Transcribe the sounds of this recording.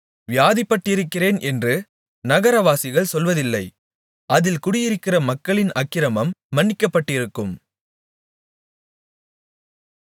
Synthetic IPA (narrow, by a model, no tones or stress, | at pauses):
ʋɪjaːðɪpːɐʈːɪɾɯkːɪreːnʔɛndrɯ | nɐɣɐɾɐʋaːsɪɣɐɭsɔlʋɐðɪlːɐɪ | ʔɐðɪlkʊɽɪjɪɾɯkːɪrɐmɐkːɐɭɪnʔɐkːɪɾɐmɐmːɐɳːɪkːɐpːɐʈːɪɾɯkːɯm